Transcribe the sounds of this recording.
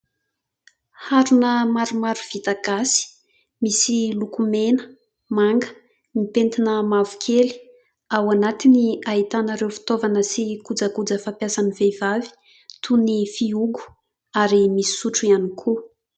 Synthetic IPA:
haɾunəmaɾumaɾuv̥it̪aɡasi̥ | misilukumenə̥ | maŋɡə̥ | nipent̪inəmavu̥kʰeli̥ | awanat̪iniaɦit̪anaɾewfi̥t̪ovanəsikud͡zakud͡zəfapjasanivev̥avi̥ | t̪ʰunifiuɡu̥ | aɾimisi̥suʈ͡ʂuianikʰu

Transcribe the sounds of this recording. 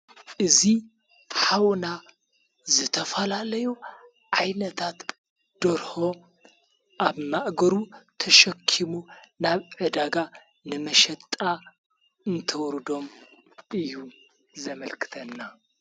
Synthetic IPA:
ʔɨzi | ħawna | zɨt̪ʰɐfɐlalɐju | ʕajnɐt̪ʰat̪ | d̪̥oɾho̞ | ʔaβmaʔɡɐɾut̪ʰɐʃɐkʰːimunaβʕɨd̪aɡa | nɨmɐʃɐt̪ʼa | ɨnt̪ʰɐwɾɨd̪o̞m | ɨjːu | zɐmɐlkʰɨ̥t̪ʰɐnːa

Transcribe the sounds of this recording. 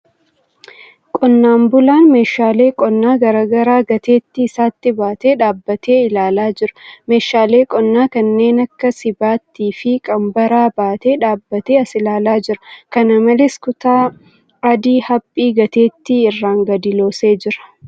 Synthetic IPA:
kʼɔnːaːmbʊlaːnme̞ːʃaːle̞ːkʼɔnːaːɡɐɾaːɡɐɾaːɡɐt̪e̞ːt̪ːɪːsaːt̪ːɪbaːt̪e̞ːᶑaːbːɐt̪ʰe̞ːɪlaːlaːd͡ʒɪɾɐ̥me̞ːʃaːle̞ːkʼɔnːaːkɐnːe̞ːnɐkːɐsɪbaːt̪ːiːfɪkʼɐmbɐɾaːbaːt̪e̞ːᶑaːbːɐt̪e̞ːɐsɪlaːlaːd͡ʒɪɾɐ̥kɐnɐmɐleːskʊt̪aː | ɐd̪iːhɐpʼːiːɡɐt̪e̞ːt̪ːɪɪrːaːŋɡɐd̪ɪlo̞ːse̞ːd͡ʒɪɾɐ̥

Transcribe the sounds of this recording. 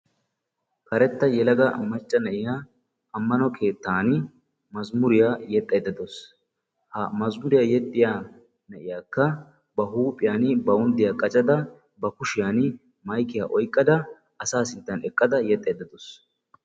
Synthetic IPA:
kɐɾɛt̪ːɐjɛlɐɡɐmɐt͡ʃʼːɐnɐʔɪjaː | ɐmːɐnɔkʰe̞ːt̪ːaːn | mɐzmʊɾɪjajɛt̪ʼːɛd̪ːɐd̪ɔs | hɐmɐzmʊɾɪjaːjɛt̪ʼːɪjaː | nɐʔɪjaːkːɐ | bɐɦuːpʼːɪjaːnbɐʊnd̪ɪjaːkʼɐt͡ʃʼɐd̪ɐ | bɐkʊʃɪjaːn | mɐjkɪjaːʔɔjkʼːɐd̪ɐ | ɐsaːsɪnt̪ːɐnɛkʼːɐd̪ɐjɛt̪ʼːɛjd̪ːɐd̪ɔs

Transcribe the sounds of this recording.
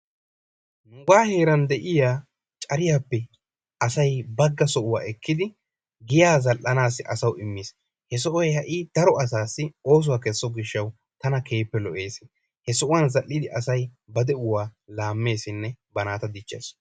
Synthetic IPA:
nʊɡaːhe̞ːɾɐnd̪ɛʔɪjaː | t͡ʃʼɐɾɪjaːpːɛ | ʔɐsɐjbɐɡːɐsɔʔʊwa̰ːɛkːɪd̪ɪ | ɡɪjaːzɐlʔːɐnaːsɪʔɐsɐwɪmːɪːs | hɛs̬ɔʔɔjɛhɐʔɪd̪̥ɐɾɔɐs̬aːsːɪo̞ːs̬ʊwaːkɛsːɔɡɪʃːɐw | t̪ɐnɐkʰe̞ːpːɛlɔʔe̞ːs | hɛsɔʔʊwɐnzɐlːɪd̪ɪʔɐsɐjbɐd̪ɛʊwaːlaːmːe̞ːsɪnːɛbɐnaːt̪ɐd̪ɪt͡ʃːḛːs

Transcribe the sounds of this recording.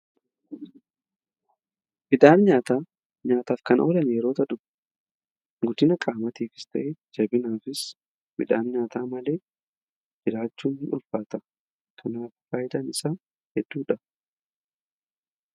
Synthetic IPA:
mɪd̪aːnɲaːt̪aː | ɲaːt̪aːfkɐnoːlɐnjɛɾo̞ːt̪ɐᶑʊ | ɡʊt̪ɪnɐkʼaːmɐt̪iːfɪ̥st̪ɐ̰ʔeːd͡ʒɐbɪnaːfɪs | bɪ̰ᶑ̪aːnɲaːt̪aːmɐle̞ː | d͡ʒɪɾaːt͡ʃːuːnhɪnʊlfaːt̪ɐ | kʰɐnaːffaːjɪd̪ɐnɪsaː | hɛd̪̥ːuːᶑɐ

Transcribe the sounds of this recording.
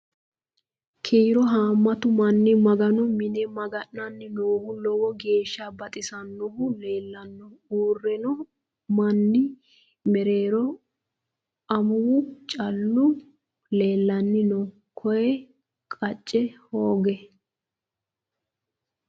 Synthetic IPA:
kʰiːɾɔɦaːmːɐt̪ʊmɐnːɪmɐɡɐnɔmɪnɛmɐɡɐnːɐnːɪnoːhʊlɔwɔɡe̞ːʃːabɐt̪ʼɪsɐnːɔhʊle̞ːlːɐnːɔuːrːɛnɔ | mɐnːɪ | mɛɾe̞ːɾɔ | ɐmʊt͡ʃʼɐlːʊ | le̞ːlːɐnːɪnɔ | kʰɔjɛ | kʼɐt͡ʃʼːɛhoːɡɛ

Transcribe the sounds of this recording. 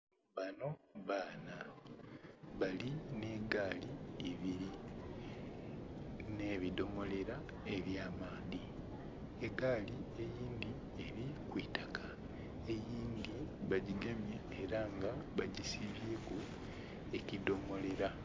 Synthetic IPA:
βano̞βaːna | βaline̞ːɡaːliːβiɾi | ne̞ːβido̞mo̞le̞ɾa | e̞βjaːmaːði | eɡaːlie̞jiːnd̪i | e̞ɾikwiːtaka | e̞jiːnd̪iβaɟiɡemjeːɾaŋɡaβaɟisiβjeːku | e̞cido̞mo̞le̞ɾa

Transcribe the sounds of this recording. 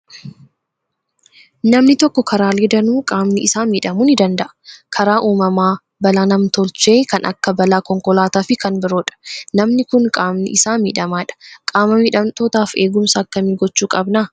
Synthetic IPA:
nɐmnɪt̪ɔkːɔkʰɐɾaːleːd̪ɐnuːkʼaːmnɪɪsaːmiːᶑɐmuːnɪd̪ɐnd̪ɐʔɐ̥kʰɐɾaːʔuːmɐmaː | bɐlaːnɐmt̪ɔlt͡ʃeːkɐnʔɐ̰kːɐbɐlaːkɔŋkɔlaːt̪aːfɪkɐnbɪɾoːᶑɐ̥nɐmnɪkʊŋkʼaːmnɪ̰ʔɪsaːmḭːᶑɐmaːᶑɐ̥kʼaːmɐmiːᶑɐmt̪oːt̪aːfe̞ːɡʊmsɐːkːɐmiːɡɔt͡ʃːuːkʼɐbnaː

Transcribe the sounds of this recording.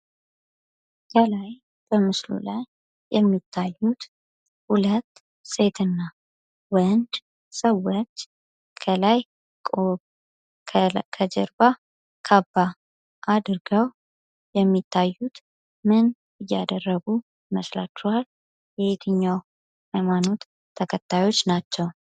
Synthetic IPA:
kʰəlaj | b̥əmɨslṵlajː | ɛmːit̪ʰːajːut̪ | hulət̪ː | se̞t̪ʰɨnːa | wənd̪ | səwːot͡ʃː | kʰəlaj | kʼo | kʰəd͡ʒɛ̰ɾba | kʰabːa | ʔad̪ɨɾɡəw | jɛmːit̪ʰːajːut̪ | mɨn | ɨjːad̪ərːəɡu | məsla̰t͡ʃːuhal | jɛhet̪ʰɨɲːaw | hajmano̞t̪ʰː | əkʰət̪ʰːajo̞t͡ʃːnat͡ʃːɛw

